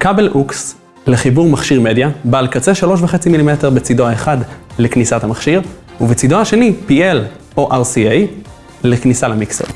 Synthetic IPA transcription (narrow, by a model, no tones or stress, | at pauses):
kabelʔuks | leχibuʁmaχʃiʁme̞d̪jabaalkat͡seʃalo̞ʃ̬veχet͡similimeteʁbet͡sid̪oaeχadleknisatamaχʃiʁ | uvet͡sid̪ohaʃe̞nipiel | oʔaʁsiej | leknisalemiksḛo